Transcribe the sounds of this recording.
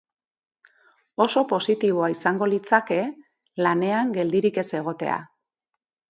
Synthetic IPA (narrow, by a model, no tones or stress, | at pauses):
o̞so̞po̞sit̪iβ̞o̞aisaŋɡo̞lit͡sake̞ | lane̞aŋɡe̞ld̪iɾike̞se̞ɣ̞o̞t̪e̞̰a̰